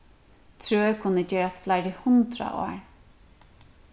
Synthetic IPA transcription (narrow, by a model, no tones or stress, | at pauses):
t̪ʰɾøːɛkʰʊnːəd͡ʒɛːɾat̪flajɾɪhʊnt̪ɾa̰ʔɔ̰ːɹ